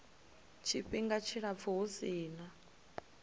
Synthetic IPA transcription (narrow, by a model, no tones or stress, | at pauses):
t͡ʃʰiɸiŋɡat͡ʃʰiɺap̪fuɦusiːna